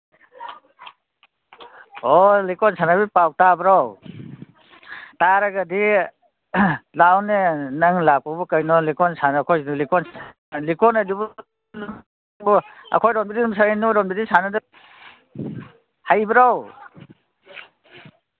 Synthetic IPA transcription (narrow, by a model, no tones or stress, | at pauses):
ɔlikɔnsʰanabipaw̚tabɾaw | taɾaɡadi | lawnenaŋlak̚pɔbɔkajnɔlikɔnsanːkʰɔjlikɔnsa | likɔnajdubɔ | ŋbɔa̰kʰɔjɾɔnbidinumsaanɔɾɔnbidisanada | hajbɾaw